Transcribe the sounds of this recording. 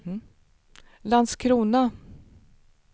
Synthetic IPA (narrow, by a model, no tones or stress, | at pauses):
land̪skʰɾuːna